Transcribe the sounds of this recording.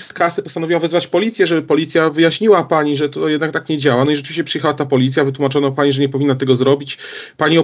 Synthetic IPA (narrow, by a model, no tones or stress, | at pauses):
skasɘpɔst̪anɔvʲiwavɛzvat͡ɕpɔlʲit̪sʲjɛʐɛbɘpɔlʲit̪sʲjavɘjaɕɲiwapaɲiʐɛt̪ɔjɛd̪nak̚t̪akɲɛd͡ʑawanɔiʐɛt͡ʂɘvʲiɕt͡ɕɛpʂɨjɛxawat̪apɔlʲit̪sʲjavɘt̪wumat͡ʂɔnapaɲiʐɛɲɛpɔvʲinːat̪ɛɡɔzɾɔbʲit͡ɕpaɲiɔ